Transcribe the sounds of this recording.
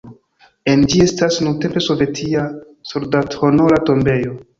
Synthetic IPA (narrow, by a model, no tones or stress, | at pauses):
e̞nd͡ʒie̞stasnunte̞mpe̞so̞vetʰia | suɾdathonoɾato̞mbe̞jo̞